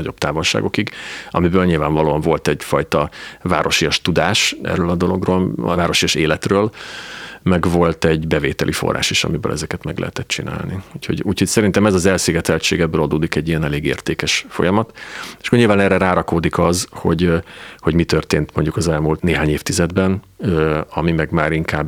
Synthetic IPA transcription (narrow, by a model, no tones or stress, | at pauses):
ɒɟo̞b̚t̪aːvolʃa̰ːɡo̞kiɡɒ̰mibøːlɲilvaːɱvɒloːɒɱvo̞lt̪ɛɟfɒjt̪ɒva̰ːɾo̞ʃijɒʃt̪ud̪aːʃʔɛ̰rːøːlɒd̪o̞lo̞ɡroːl̰vaːɾo̞ʃiɒʃeːlɛt̪røːl | mɛɡvo̞lt̪ɛɟbɛveːt̪ɛlʔifo̰rːa̰ːʃiʃɒ̰mibø̰lɛ̰zɛkɛt̪mɛɡlʔɛ̰ɦɛt̪ɛt̪t͡ʃḭna̰ːlniuːcʰho̞̰ɟuːcho̞csɛɾint̪ɛmɛzɒzɛlsiːɡɛt̪ɛlt͡ʃeːɡɛbːøːlɒd̪oːd̪ikɛɟːijɛnɛleːɡḛːrt̪eːkɛʃfo̞̰jɒmɒt̪eʃkoɲilvanɛːrɛɾaːɾɒkoːd̪ikɒzho̞̰ɟho̞ɟmit̪ørt̪eːnt̪moɲɟukɒzɛlmuːlt̪neːɦaːɲeːft̪izɛd̪bɛn | øɒmimɛɡmaːɾiŋkaːb